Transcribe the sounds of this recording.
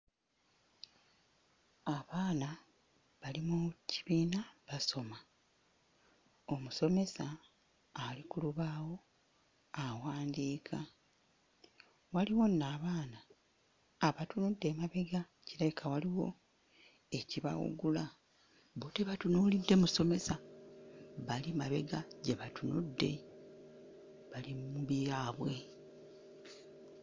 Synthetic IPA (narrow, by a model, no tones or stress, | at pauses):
aβaːna | βalimuciβiːnaβaso̞ma | o̞muso̞me̞saː | likuluβaːwo̞ | awaːndiːkʰa | waliwo̞nːaːβaːnaː | βatunudːe̞ːmaβe̞ɡa | ciɾajikʰawaliwo̞̰ | e̞ciβa̰wṵɡula | boteβatunulidːe̞muso̞me̞sa | βalimaβe̞ɡaɟeβatunudːe̞̰ | βalimuβiɾaːβwe̞